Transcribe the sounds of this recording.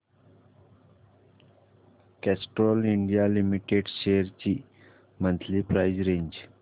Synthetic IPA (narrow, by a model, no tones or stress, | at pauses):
kɛsʈɾoːlɪɳɖijalimiʈeɖʃeːəɾt͡ʃi | mə̃nt̪ʰlipɾaɪd͡ʒɾẽːɲd͡ʒ